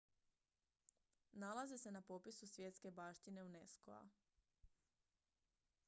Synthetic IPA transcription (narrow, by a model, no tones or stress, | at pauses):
nalazese̞napo̞pisusʋje̞t̪ske̞baːʃt̪ine̞unesko̰a̰